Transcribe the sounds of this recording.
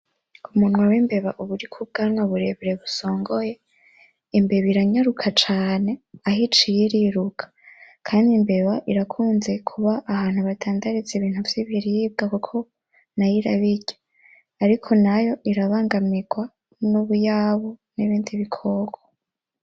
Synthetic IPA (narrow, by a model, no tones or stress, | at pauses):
umunwawimbe̞βaʔuβuɾikʰub̚ɡaŋwaβuɾe̞βɾe̞βuso̞ːŋɡo̞je̞ | imbe̞βiɾaɲaɾukʰat͡ʃaːne̞aɦit͡ʃijiɾiɾukʰḁkʰaːndimbe̞βaʔiɾakʰuːnze̞kʰuβaʔːhaːn̥huβatʰaːndaɾizeβiːn̥huvjiβiɾiib̚ɡakukʰo̞ | najiɾaβiɟ̥ḁ | aɾikʰo̞najo̞ʔiɾaβaːŋɡamiɡ̥wa | nuβujaβuniβiːndiβikʰoɡwa